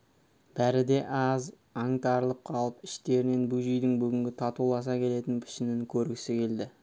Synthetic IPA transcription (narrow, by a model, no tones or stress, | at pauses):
b̥æɾɪd̪e̞ʔɑz | ɑŋt̪ɑɾəlˠəp̚qʰɑlˠəpɪʃt̪e̞ɾɪne̞nbuʒijd̪ɪŋbʏɡʲɪŋɡʲɪt̪ʰɑt̪ulˠɑs̬ɑkʲʰe̞le̞t̪ɪnpʰɪ̥ʃɪnɪŋkʲʰɵɾɡʲɪsɪkʲʰe̞ld̪ɪ